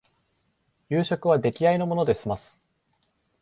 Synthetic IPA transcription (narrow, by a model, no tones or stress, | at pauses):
jɨːɕo̞kɯ̟β̞ad̪e̞kʲiaino̞mo̞no̞d̪e̞ɕimasɨ̥